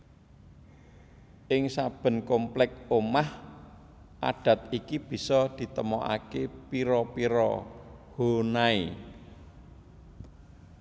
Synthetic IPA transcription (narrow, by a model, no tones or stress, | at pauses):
ʔɪŋsab̥ə̤nkomplɛk̚omah | ʔa̰ɖ̥ä̤t̪̚ikib̥i̤sɔd̪̥i̤t̪əmɔʔa̰kepiɾɔpiɾɔ̰ho̤naḭ